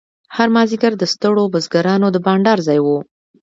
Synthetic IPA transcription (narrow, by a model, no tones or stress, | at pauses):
haɾmɑziɡaɾd̪əst̪əɽobəzɡaɾɑnod̪əbɑɳɖɑɾzɑjwu